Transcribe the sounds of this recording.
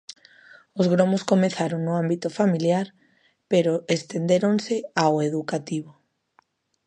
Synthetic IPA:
ozɣɾomoskomeθaɾoŋnʊambit̪ʊfamiljaɾ | peɾoest̪end̪eɾonseaweðukat̪iβ̞o

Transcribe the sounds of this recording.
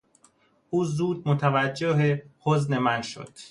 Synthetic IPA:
ʔuːzuːd̪̚mot̪ʰævæd͡ʒːeɦehozne̞mænʃo̰d̪̥

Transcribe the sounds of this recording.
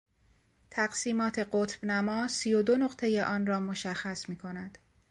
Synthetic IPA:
t̪ʰæɢsiːmɒːt̪ʰe̞ɢot̪ʰb̥næmɒːsijo̞d̪onoɢt̪ʰe̞je̞ʔɒːnrɒːmo̞ʃæxːæsmiːkʰo̞næd̪̥

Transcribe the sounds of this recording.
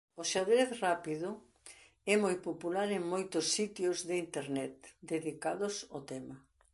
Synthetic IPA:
ʊʃaðɾeθrapiðʊ | ɛmojpopulaɾeŋmojt̪ʊsːit̪jozðɪint̪eɾnɛt̪̚d̪eðikaðʊsot̪ɛma

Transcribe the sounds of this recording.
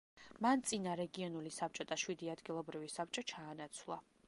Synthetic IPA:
mant̪sʼinaɾɛɡiɔnulisap̚t͡ʃʼɔd̪aʃwid̪iad̪ɡilˠɔbɾivisap̚t͡ʃʼɔt͡ʃʰaːnat̪sʰwlˠa̰

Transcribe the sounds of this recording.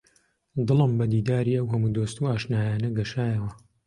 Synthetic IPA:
d̪ɨlɨmbɐd̪iːd̪aːɾiːɐwɦɐmuːd̪ost̪uaːʃnaːjaːnɐɡɐʃaːjɐwɐ

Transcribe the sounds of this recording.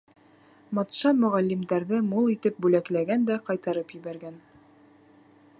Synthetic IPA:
mɑt̪ʃɑmɵ̆ʁælːimd̪æɾðɘmulˠit̪ɘp̚bʉlæklæɡænd̪æqɑjt̪ɑɾɤpjɘ̆βæɾɡæn

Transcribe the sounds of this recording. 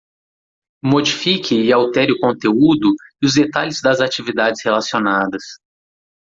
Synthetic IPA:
mod͡ʒifikʰɪɪawt̪ɛɾɪʊkõnt̪eud̪ʊɪʊzd̪et̪alɪzd̪ɐzat͡ʃivid̪ad͡ʒɪshelasionad̪ɐs

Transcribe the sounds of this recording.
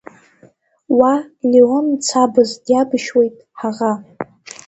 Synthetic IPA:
waleont͡sʰabɨzdjabʃwe̞jtʼħaʁa

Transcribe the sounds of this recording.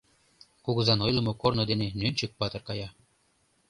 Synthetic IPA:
kuɣɤzɑnojlˠə̆mokornŏd̪enenønʲt͡ɕə̆k̚pɑt̪ɤ̆rkɑjɑ

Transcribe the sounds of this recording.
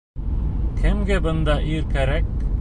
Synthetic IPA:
kʰemɡebənd̪aʔiːɾkɐɾɛk̚ʈ

